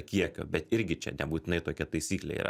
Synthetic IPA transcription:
kʲiɛkʲo̰ːbʲɛt̪ɪɾʲɡʲɪt͡ʃʲɛ̰nʲɛbuːt̪ʲɪnɐɪt̪oːkʲɛt̪ɐɪsʲiːklʲḛḭːɾɐ̰

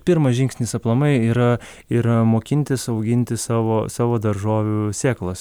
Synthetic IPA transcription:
pʲɪɾmɐʒʲɪŋʲksʲnʲɪsɐplˠɐmɐɪiːɾɐ | iːɾɐmoːkʲɪnʲt̪ʲɪsɐʊɡʲɪnʲt̪ʲɪsɑːʋoːsɑːʋoːd̪ɐɾʒoːʋʲusʲeːklˠɐs

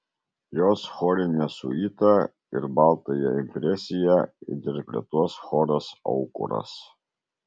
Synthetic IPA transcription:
joːsxɔːɾʲenʲɛsʊ̰iːt̪ɐ | ɪɾbɑˑlˠt̪ɐjɛ̰ɪmʲpʲɾʲɛsʲɪjɛd̪ʲɛɾʲpʲɾʲɛt̪uɔsxɔːɾɐsɔ̰ʊkʊ̰ɾɐ̰s

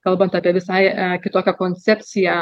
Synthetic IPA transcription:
kɐlˠbɐnt̪ɑːpʲiɛʋʲɪsɐɪkʲɪt̪oːkʲɛkoːnʲt͡sʲɛpʲt͡s̪ʲɪjɛ

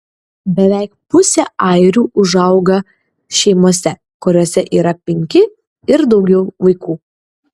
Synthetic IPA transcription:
bʲɛʋʲæˑɪk̚pʊsʲeɐɪɾʲuːʔʊʒɐʊɡɐ | ʃʲɛɪmoɔsʲɛ | kʊɾʲoːsʲɛʔiːɾɐpʲɛŋʲkʲɪ | ɪɾd̪ɒʊɡʲɛʊʋɐɪkuː

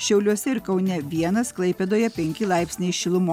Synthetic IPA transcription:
ʃʲɛʊlʲuɔsʲɛɪɾkɐʊnʲɛʋʲiɛnɐsklˠɐɪpʲɛd̪oːjɛpʲɛŋʲkʲɪlˠɑɪpʲsʲnʲɛɪʃʲɪlˠʊmoː

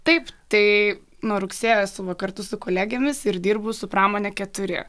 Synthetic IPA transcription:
t̪ɐɪpt̪ɐɪ | noːɾʊksʲeːjɛsʊʋɐkɐrt̪ʊsʊkoːlʲæːɡʲeːmʲɪsɪɾd̪ʲiːɾbʊsʊpɾɑːmoːnʲɛkʲɛt̪ʊɾʲɪ̰

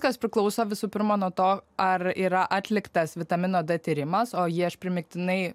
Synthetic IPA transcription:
kɐspʲɾʲɪklˠɒʊsoːʋʲɪsuːpʲɪɾmoːnuɔt̪oːɐɾiːɾɐʔɑːt̪ʲlʲɪkt̪ɐsʋʲɪt̪ɐmʲɪnoːd̪ɐt̪ʲiːɾʲɪmɐsoːjiɐʃpʲɾʲɪmʲɪk̚ʲt̪ʲɪnɐɪ

